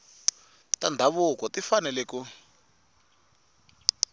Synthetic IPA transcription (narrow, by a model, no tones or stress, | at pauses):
tandʱaβukɔtifanɛleku